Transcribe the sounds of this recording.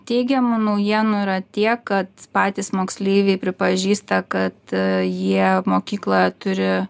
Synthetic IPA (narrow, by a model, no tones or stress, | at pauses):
t̪ʲɛɪɡʲɛmʊnɐʊjiɛnʊɪɾɐt̪ʲiɛkkɐt̪pɑːt̪ʲiːsmoːksʲlʲeɪʋʲeɪpʲɾʲɪpɐʒʲiːst̪ɐkɐt̪jiɛmoːkʲiːklˠoːjɛt̪ʊɾʲɪ